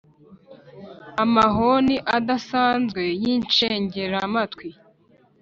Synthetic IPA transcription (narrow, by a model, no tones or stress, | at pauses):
amaɦoniʔadasaːnzɡwe̞jiːnt͡ʃeːɲɟe̞ɾamatwi